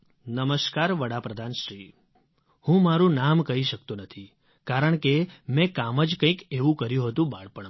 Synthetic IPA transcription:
nəməʃkaɾʋəɽapɾəd̪ʱanʃɾi | hũmaɾũnamkəɦiʃək̚t̪ũnət̪ʰi | kaɾəɳkemɛ̃kaməd͡ʒkə̃ĩkeʋũkəɾjũɦət̪ũbaɭpəɳ

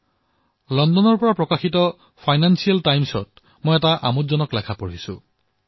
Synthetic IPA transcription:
lɔndɔnɔɹpɔɹapɹɔkaxitɔ | pʰajnansialtajmsɔ̰t̚ | mojɛtaʔa̰mutzɔnɔklakʰapoɹisʊ̰

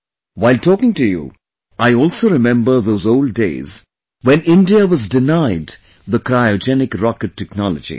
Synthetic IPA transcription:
waɪltʰɔːkɪ̃ŋtujṵ | ʔaɪɔːlsoːɾɪmɛ̃mbə˞ðoːzoʊlɖ̚ːḛɪz | wɛ̃nɪ̃nɖiaʋʌzdɪnaɪd | ðəkɾaɪɔd͡ʒɛnɪkɾɑkɨʈʰːɛknɔləd͡ʒḭ

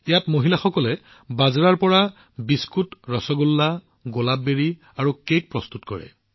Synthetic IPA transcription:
ijatmoɦilaxɔkɔlɛ | bazɹaɹpɔɹa | biskutɹɔsɔɡulːa | ɡolabːeɹi | aɹukek̚pɹɔstutkɔ̰ɹɛ̰

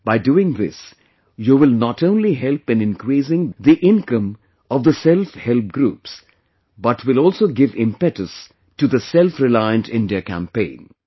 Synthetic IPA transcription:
b̥aɪduːɪ̃ŋðɪ̰s | juʋɪlnɔtõʊ̃nliɦɛlpɨ̃nɪ̃nkɾiːsɪ̃ŋðiʔɪ̃nkʌ̃m | ɔvd̪əsɛlfhɛlp̚ɡɾuːps | bʌʈʰwɪlɔːlsoːɡɪvɪ̃mpɛʈəs | tuðəsɛlfɾɪlaɪə̃ntɪ̃ndiəkæ̰̃mpḛ̃ɪ̃n

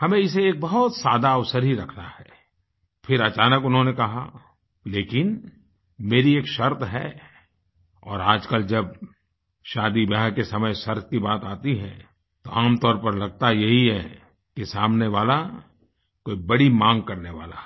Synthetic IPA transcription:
hɐmẽɪs̬eeːk̚bɐɦʊt̪saːd̪aɐʋsəɾɦiɾɐkʰna̰hɛː | pʰɪɾɐt͡ʃaːnəkʊnɦõnekɐɦa̰ | leːkɪn | meːɾieːkʃɐɾt̪ʰɦɛ̰ | ɔːɾaːd͡ʒkəld͡ʒɐb̚ | ʃaːd̪ibjaːɦkesɐməjʃɐɾt̪̚ʰkibaːt̪aːt̪iɦɛ̰̃ | t̪oʔaːmt̪ɔːɾpɐɾlɐɡ̚t̪ajɐɦiɦɛ | kisaːmneʋaːla | koːibɐɽimãːŋɡ̚kɐɾneʋa̰ːla̰

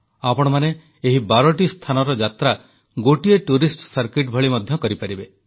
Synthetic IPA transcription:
apɔɽ̃ɔmane | eɦibaɾɔʈist̪ʰanɔɾɔd͡ʒat̪ɾa | ɡoʈieʈuɾisʈsaɾkiʈbʱɔɭimɔd̪ʱjɔkɔɾipaɾibe

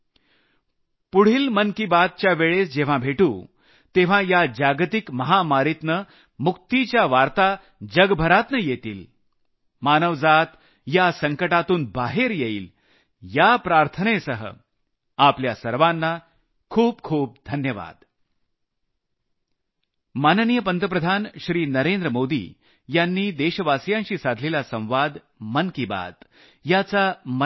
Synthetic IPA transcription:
puɽ̤iːlmənkibad̪̚t͡ɕjaʋeɭesd͡ʑeʋ̤ãbʱeʈũ | t̪eʋ̤ãjad͡ʑaɡt̪ikməɦamaɾit̪nə | muk̚t̪it͡ɕjaʋaɾt̪a | d͡ʑəɡbʱəɾat̪nəjet̪ḭːl | manəʋd͡zat̪ | jasəŋkəʈat̪uːnbaɦeɾjeḭːl | japɾaɾt̪ʰənesəɦə̰ | apljasəɾʋanːa | kʰuːp̚kʰuːp̚d̪ʱənjəʋa̰d̪ | mannijəpənt̪əpɾəd̪ʱanɕɾiːnəɾend̪ɾəmod̪ḭː | janːiːd̪eɕəʋasjãnɕiːsad̪ʱlelasə̃w̃ʋad̪ | mənkiba̰t̪ | jat͡samə

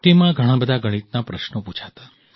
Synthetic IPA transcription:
t̪emãɡʱəɽ̃ãbəd̪ʱaɡəɽ̃it̪̚napɾəʃnopũt͡ʃʰat̪ḁ

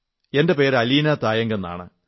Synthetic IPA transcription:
e̞nde̞pe̞ːɾɐliːnɐt̪aːjɐŋɡenːa̰ːɳɨ̰

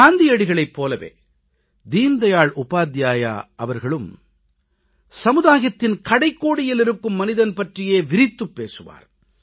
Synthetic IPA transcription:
aːnd̪ijɐɽɪɣɐɭɐɪpːoːlɐʋḛː | d̪iːnd̪ɐjaːɭʔʊpaːd̪jaːja̰ːʔɐʋɐɾɣɐɭɯm | sɐmɯðaːɣɐt̪ːɪnkɐɽɐɪkːoːɽɪjɪlɪɾɯkːɯmːɐnɪðɐnpɐʈrɪjeːʋɪɾɪt̪ːɯpːeːsɯʋa̰ːɾ

